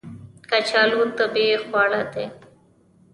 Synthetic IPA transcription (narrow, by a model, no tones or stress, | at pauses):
kat͡ɕʰaːlut̪əbexwaːɽat̪e